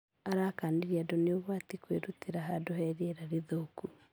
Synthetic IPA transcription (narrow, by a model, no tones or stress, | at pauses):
aɾakaːndiɾiadɔneoβwatikweɾuteɾaɦadoɦɛɾieɾaɾiðoku